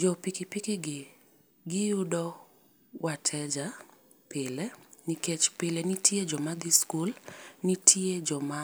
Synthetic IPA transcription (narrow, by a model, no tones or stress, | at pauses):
d͡ʒɔpikipikɪɡɪ | ɡɪjʊdɔ | wʔatʰɛd͡ʒa | pɪlɛnɪket͡ʃpɪlenitʰjed͡ʒɔmaɡiskulnitʰjed͡ʒɔma